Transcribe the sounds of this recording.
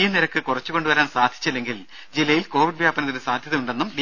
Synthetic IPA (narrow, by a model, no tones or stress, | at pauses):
jɐniɾɐkːɨkurɐt͡ɕːuko̞ɳɖuʋɐɾaːnsaːd̪ʱi̥t͡ɕːɐlːe̞ŋɡil | d͡ʑilːɐjilko̞ːʋiɖʋjaːbɐnɐt̪ːinɨsaːd̪ʱjɐðɐuɳɖe̞nːumɖi